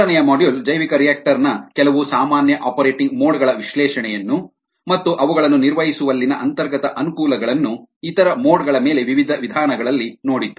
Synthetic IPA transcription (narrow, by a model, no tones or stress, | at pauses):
ɐnɛjɐmaːɖjuld͡ʒɐjʋikɐɾijaːk̚ʈɐɾnɐkɛlɐʋusaːmaːnjɐʔaːpɐɾeːʈiŋɡmoːɽɡɐɭɐʋiʃlɛːʂɐɳɛjɐnːu | mɐt̪ːuʔɐʋuɡɐɭɐnːuniɾʋɐɦisuʋɐlːinɐʔɐnt̪ɐɾɡɐt̪ɐʔɐnukuːlɐɡɐɭɐnːuit̪ɐɾɐmoːɽɡɐɭɐmeːle̞ʋiʋid̪ʱɐʋid̪ʱaːnɐɡɐɭɐlːinoːɽit̪ːu